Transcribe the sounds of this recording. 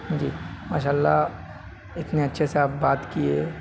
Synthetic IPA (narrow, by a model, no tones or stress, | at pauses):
d͡ʒiːmaːʃaːlːa | ɪt̪neɐtːʃʰeseaːp̚baːt̪kieː